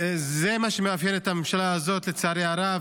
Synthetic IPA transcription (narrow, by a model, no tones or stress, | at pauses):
zemaʃemeavjenet̪amemʃalaːzo̞t̪let͡saaːɾeaɾav